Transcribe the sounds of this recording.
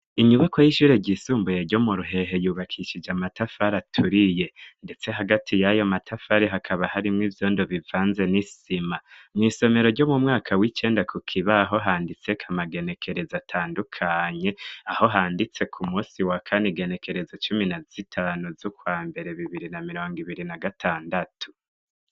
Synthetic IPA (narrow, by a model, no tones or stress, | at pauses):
iɲuβakojiʃuːɾe̞ɟisuːmbujeɾɟo̞muɾuɦe̞ɦe̞juːβakʰiʃid͡ʒamatafaɾatʰuɾije̞nde̞t͡se̞ɦaɡatʰijajo̞matʰafaɾeɦakʰaβahaɾimŋiːvjo̞ːndo̞βivaːnze̞nisimamŋiːso̞me̞ɾo̞ɾɟo̞mumŋaːkʰawit͡ʃe̞ːndakʰukʰiβaɦo̞ɦaːndit͡se̞kʰamaɡe̞ne̞kʰe̞ɾe̞zatʰaːndukʰaɲe̞aho̞ɦaːndit͡se̞kʰumuːsiwakʰaneɡe̞ne̞kʰe̞ɾe̞zat͡ʃuminaz̥itʰaːnuzukwaːmbe̞ɾe̞βiβiɾinamiɾo̞ːŋɡiβiɾinaɡatʰaːndatʰu̥